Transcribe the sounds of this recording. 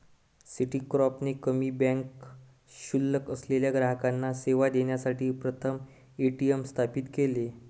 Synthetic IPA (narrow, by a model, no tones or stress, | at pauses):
siʈikɾɔpnekəmiːbɛ̃ŋk | ɕulːəkəsleljaɡɾaɦəkanːaseʋad̪eɳjasaʈʰiːpɾət̪ʰəm | eʈiemst̪ʰapit̪kele